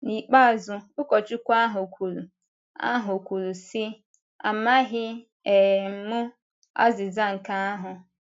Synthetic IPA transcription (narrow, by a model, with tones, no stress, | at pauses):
ni˨k͡pa˦a˨zʊ˨ʊ˦kɔ˨t͡ʃʊ˦kʷa˦ɦʊ˨kʷʰu˨lu˨ | a̰˦ɦʊ˨kʷu˨ɾu˨sɪ˦ | a̰˨ma˦ɦɪ˦ | e˨m̩˨mʊ˦ | a̰˦zɪ˨za˦ŋ̩˨ka˦a˦ɦʊ˨